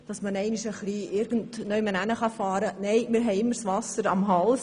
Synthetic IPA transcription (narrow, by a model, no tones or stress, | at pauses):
d̥ɑsmənɛɪniʃəχliʔɪɾɡ̥ən̩tnœjmənænəχɑfɑːɾənɛɪmɪɾɦɛɪɪmːəɾsʋɑsəɾɑmɦɑls